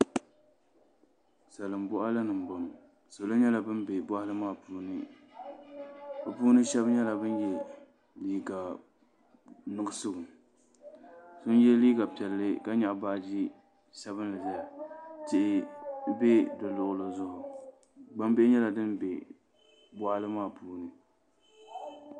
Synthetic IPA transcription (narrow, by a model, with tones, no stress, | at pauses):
sa˨lɨ˨mbʊ˦ʔa˦la˦nɨ˨m˨bɔ˨nʊ˨ | so˨lo˦ɲɛ˦la˨bɨ˦nbe˨ba˦hɪ˦lɨ˦maː˦˨puː˦nɨ˨ | bɨ˨puː˦nɨ˦ʃɛ˦bɲɛ˦la˨bɨ˦njɛ˦ | liː˦ɡa˨ | nɨ˦ɨ˦sʊ˦ɡʊ˨ | sʊ˦n˦jɛ˦liː˦ɡa˨pɛ˨lːɨ˦ka˦ɲa˨ʔba˦ʔd͡ʒi˦ | sɛ˦βɨ˦n˦lɨ˨za˦a˨tɪ˦ʔɪ˦be˦dɨ˨lʊ˨ʔʊ˨lo˨zʊ˦hʊ˨ | ɡ͡ba˦mbe˦ɪ˦ɲɛ˦la˨dɨ˦nbe˨ | bwa˦hɪ˦lɨ˦maː˦˨puː˦nɨ˨